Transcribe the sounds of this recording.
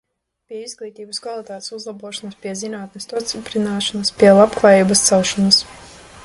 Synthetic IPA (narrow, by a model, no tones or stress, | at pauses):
pʲiɛizɡlˠiːt̪iːbɐskvalˠit̪aːt̪e̥suzlˠabuɔʃɔnɐspʲiɛzinaːt̪nest̪ɔt̪sipɾinaːʃɔnɐspʲiɛlˠabklˠaːjiːbɐst̪sawʃɔnɐs